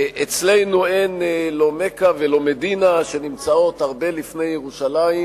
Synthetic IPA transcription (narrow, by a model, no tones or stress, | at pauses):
ʔet͡sle̞jnuenlo̞me̞kavelo̞medinaʃe̞nimt͡sao̞t̪aʁbe̞lifne̞jːeʁuʃalai